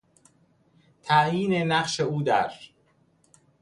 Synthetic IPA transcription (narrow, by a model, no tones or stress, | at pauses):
t̪ʰæjiːnenæqʃeuːd̪æ̰ɾ